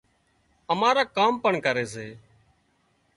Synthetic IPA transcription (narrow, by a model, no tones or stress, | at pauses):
əmaːɾaːkaːmpəɳkəɾeːs̬eː